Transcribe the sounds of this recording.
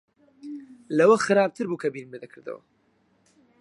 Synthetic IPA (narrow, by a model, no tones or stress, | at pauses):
lɐwɐxɨɾaːb̚t̪ʰɨɾbukʰɐbinnmɨd̪ɐkʰɨɾd̪ɐ̰wɐ̰